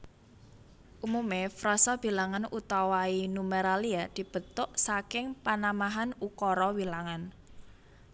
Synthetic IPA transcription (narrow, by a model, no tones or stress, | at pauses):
ʔumumefɾɔsɔb̥i̤laŋanut̪awainumeɾaliad̪̥i̤b̥ə̤t̪ʊʔsakɪŋpanamaɦanukɔɾɔwilaŋan